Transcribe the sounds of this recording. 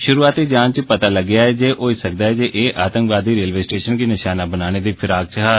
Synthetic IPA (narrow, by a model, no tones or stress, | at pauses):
ʃʊɾuːaːt̪iːd͡ʒãːnt͡ʃpət̪aːləɡɪjaːɛːd͡ʒeːʔoːisək̚d̪aːɛːd͡ʒeːʔeːʔaːt̪ə̃ŋkʋaːd̪iːɾeːlʋeːsʈeːʃənkiːnɪʃaːnaːbənaːñeːd̪iːpʰɪɾaːɡ̚t͡ʃɦaː